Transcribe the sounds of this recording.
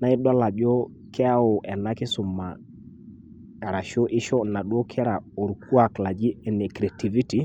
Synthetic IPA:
na˨˦ɪ˦dwa˦la˨d͡ʒɔ˦ | kʰɛ˦a˦ʊ˨ʔɛ˨na˦kɪ˦sʊ˨ma̰˨ | a˨ɾa˨ʃo˦ʔɪ˦ʃɔ˦na˨ɗwo˦kʰɛ˦ɾa˨o˨ɾku˦a˨kla˨d͡ʒɪ˦ɛ˨nɛ˨kɾɛ˨ti˨vi˦ti˨

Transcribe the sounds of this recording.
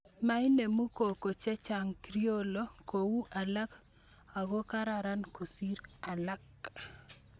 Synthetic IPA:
ma˦i˦ne˨mu˦ko˨ko˨t͡ʃɛ˦t͡ʃa˨ŋkɾi˦o˦lo˦ko˨wu˦ʔa˨la˦k | a˨ɣo˦ka˦ɾa˨ɾa˦nko˨si˦ɾa˨la˦k

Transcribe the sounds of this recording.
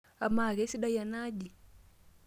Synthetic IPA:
a˨ma˨ɣe˨˦si˦ɗa˦ja˨na˦d͡ʒi˨

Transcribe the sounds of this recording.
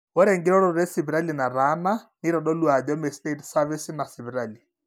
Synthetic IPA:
ʊ˦ɾe˨ŋ̩˦ɡɪ˦ɾɔ˦ɾɔ˦ɾe˦sɪ˨bi˨ɾa˦li˨na˨ra˦na˦nɪ˦ɾɔ˨ɗɔ˦lu˦a˨d͡ʒɔ˦mɛ˨ste˦tsa˦vi˦sɪ˦na˨sɪ˨bi˨ɾaː˨li˨

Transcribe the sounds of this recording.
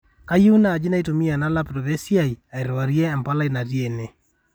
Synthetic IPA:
ka˦ju˦naː˨d͡ʒɪ˦na˦i˦to˨mi˦a˨na˦la˦pɾo˨βe˦si˦a˦˨i˨a˨i˨ɾwa˨ɾjɛː˦˨mpa˦la˦i˨na˨ɾje˨ne˨

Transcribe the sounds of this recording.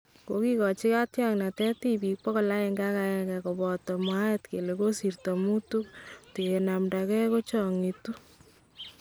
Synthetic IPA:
ko˨ki˦kɔ˨t͡ʃi˦ka˦tjaŋna˨tɛ˦ti˦pi˨k̚pɔ˦kɔ˨la˦ɛ˨ŋɡa˦ka˦ɛ˨ɡɛ˨ko˨bɔ˨tɔ˨mwa˦e˦tke˨le˨ko˦si˨rto˨mu˦tu˦k̚te˨e˨na˨mda˨kɛ˦ko˦t͡ʃɔ˨ŋi˨tu˦

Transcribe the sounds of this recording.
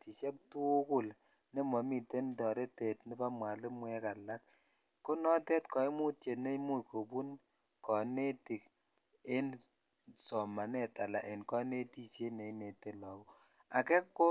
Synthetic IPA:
ti˨ʃɛ˦k̚tu˦kʊ˦˨l | ne˦mɔ˨mi˨te˦ndɔ˨ɾe˦te˨tni˦pa˦mwa˨le˦mwɛ˦ka˨la˦k̚ | ko˦nɔ˦te˦tkɔ˨i˦mu˦tje˨ne˦mu˦jko˨pu˦n | kɔ˨ne˦ti˨k̚ | e˦n | sɔ˨ma˨nɛ˨ta˨la˨ʔe˨nkɔ˦ne˦ti˦se˦ne˨ne˨te˨lɔ˨u˦ | a˨kɛ˦kːo˦

